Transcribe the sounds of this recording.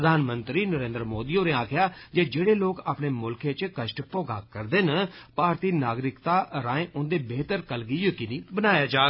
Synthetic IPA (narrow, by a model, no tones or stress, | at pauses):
ɾəd̪ʱaːnmənt̪ɾiːnəɾẽːnd̪ɾəmoːd̪iːoːɾẽːaːkʰjaːd͡ʒeːd͡ʒeːɽeːloːkaːpɳeːmʊlkeːt͡ʃkəʃʈpɔːɡa̰ːkəɾd̪eːnəpaːɾt̪iːnaːɡɾɪkt̪aːɾaːẽːʔʊnd̪eːbeːt̪əɾkəlɡiːjəkɪnĩːbənaːjaːd͡ʒaː